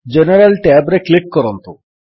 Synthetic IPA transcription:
d͡ʑeneɾalʈeabɾeklikːɔɾɔnt̪u

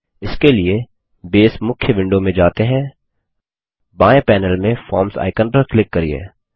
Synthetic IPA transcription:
ɪskelie | beːsmʊkʰjəʋɪ̃ɳɖomẽd͡ʒaːt̪eɦɛ̃ː | bãːẽpɛːnəlmẽfɔːɾmsa̰ːɪkənpɐɾklɪkːɐɾḭḛː

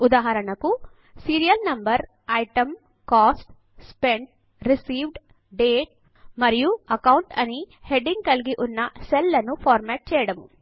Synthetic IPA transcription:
ud̪aːɦɐɾɐɳɐku | siːɾijɐlnɐmbɐɾ | ɐjʈɐm | kaːsʈ | speɳʈ | ɾisiːʋɖ | ɖeːʈ̚ | mɐɾijuɐkɐwuɳʈɐni | heɖiŋɡ̚kɐɭɡiʔunːɐselːɐnːupʰaːɾmɐʈ̚t͡ʃɛːjɐɽɐmu

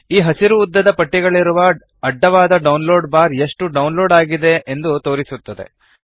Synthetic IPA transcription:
iːɦɐsiɾuːd̪ːɐd̪ɐpɐʈːiɡɐɭiɾuʋɐ | ɐɖːɐʋaːd̪ɐɖɐwnlo̞ːɖbaːɾeʂʈuɖɐwnlo̞ːɖaːɡid̪e̞ʔːnd̪ut̪o̞ːɾisut̪ːɐd̪e̞̰

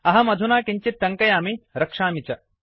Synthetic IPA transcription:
ɐɦɐmɐd̪ʱunaːkiɲt͡ʃit̪ːɐŋkɐjaːmiɾɐkʂaːmit͡ʃɐ

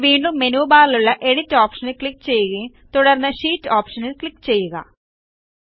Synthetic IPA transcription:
ʋiːɳɖumːenuːbaːliluɭːɐʔe̞ɽitːoːpʂɐnɨkɭikːt͡ɕe̞jːuɣɐ | t̪uɽɐrnːɐɕiːtːoːpʂɐnilkɭikːt͡ɕe̞jːuɣɐ̰

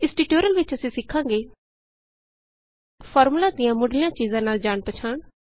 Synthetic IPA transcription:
ɪsʈiːʈoːɾəlʋɪt͡ʃəsĩːsɪkʰːãːŋɡeː | pʰɔːɾmulaːd̪ɪjãːmʊɖlɪjãːt͡ʃiːzãːnaːld͡ʒaːɳpət͡ʃʰaːɳ

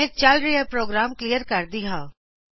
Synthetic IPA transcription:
ẽt͡ʃalɾijəpɾoːɡɾaːmklijəɾkɐɾd̪iɦaː

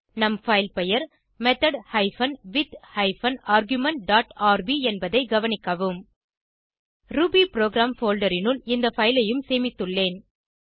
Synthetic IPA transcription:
nɐmfɐɪlpɛjɐɾ | mɛt̪ɐɽhɐɪfɐnʋɪt̪hɐɪfɐnaːɾɡjʊmɐɳʈ̚ɖaːʈaːɾbiɛnbɐðɐɪɡɐʋɐnɪkːɐʋɯm | ɾubiːpɪɾoːɡɾaːmfoːlɖɐɾɪnɯlɪnd̪ɐfɐɪlɐjɯmseːmɪt̪ːɯɭːeːn

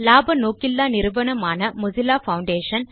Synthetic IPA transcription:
laːbɐnoːkɪlːaːnɪɾɯʋɐɳɐmaːnɐmʊzɪlaːfɐʊɳɖeːʂɐn

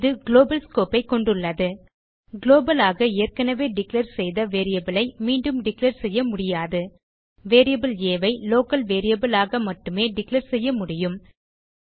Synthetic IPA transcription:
ðɯɡɪloːbɐlskoːpɐɪkːɔɳɖɯɭːɐðɯ | ɡloːbɐlaːɣɐɪjɛrkɐnɐʋeːɖɪklɐɾsɛjðɐʋeːɾɪjɐbɪlɐɪmiːɳɖɯmɖɪklɐɾsɛjːɐmʊɽɪjaːðɯ | ʋeːɾɪjɐbɪleːʋɐɪloːkɐlʋeːɾɪjɐbɯlaːɣɐmɐʈːɯmeːɖɪklɐɾsɛjːɐmʊɽɪjɯm

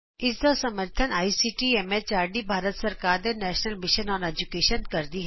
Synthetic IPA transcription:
ɪsd̪oːsɐməɾt̪ʰənaːisiʈiɛmet͡ʃaːɾɖibʱaːɾət̪sɐɾkaːɾd̪enɛːʃnəlmɪʃənɔːneːd͡ʒukeːʃənkɐɾd̪iɦɛː

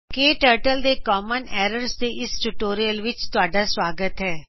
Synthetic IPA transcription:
keːʈəːɾʈəld̪ekɔːmənɛːɾəɾsteʔɪsʈuʈoːɾijəlʋɪt͡ʃt̪ʊaːɖaswaːɡət̪ɦɛː

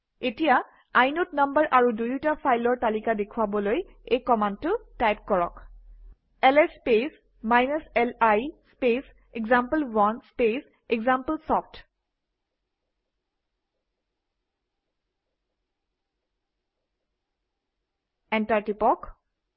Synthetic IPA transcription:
etija | ajnɔtnʌmbəɹʔaɹudujtapʰajlɔɹtalikadekʰʊabɔloj | ejkɔmantʊtajp̚kɔɹɔ̰k | ɛlɛspes | majnasɛlajspes | eɡzampəlwɔnspes | eɡzampəlsɔfʰt | ɛntaɹtipɔk

